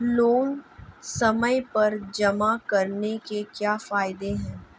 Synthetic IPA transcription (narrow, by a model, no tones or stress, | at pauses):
loːnsɐməjpɐɾd͡ʒɐmakɐɾnekekjaːfaːɪd̪eɦɛ̃ː